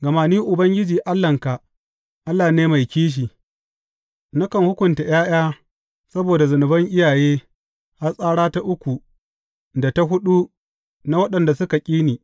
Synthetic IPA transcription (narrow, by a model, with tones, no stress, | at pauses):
ɡɐ˨maː˨niː˦ʔʊ˨bɐ˦ŋɡʲɪ˦d͡ʒiː˨ʔa˦lːɐ˨ŋka˨ | ʔa˦lːaː˨neː˦ma˨jkʲiː˦ʃ̬iː˨ | na˦kɐ˨ŋhʊ˦kʷʊ˨nta˨j̰aː˦j̰aː˦ | sɐ˦boː˨da˨zʊ˨nʊ˨bɐ˦ŋʔɪ˦jaː˨jeː˦ | ha˦sʼaː˦ɽaː˦ta˦ʔʊ˦kʷu˨ | da˨ta˦ɦʊ˦ɗu˦ | na˦wɐ˦ɗɐ˨nda˨sʊ˦ka˨kʲʼiː˦niː˨